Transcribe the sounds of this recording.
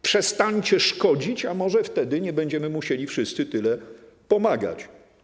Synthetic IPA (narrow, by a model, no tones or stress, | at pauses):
pʂɛst̪aɲt͡ɕɛʂkɔd͡ʑit͡ɕamɔʐɛft̪ɛd̪ɘɲɛbɛɲd͡ʑɛmɘmuɕelʲifʂɘst̪sɘt̪ɘlɛpɔmaɡa̰t͡ɕ